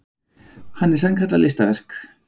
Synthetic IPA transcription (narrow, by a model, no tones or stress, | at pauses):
hanːɛɾ̥saŋkʰat̪alḛst̪avɛr̥k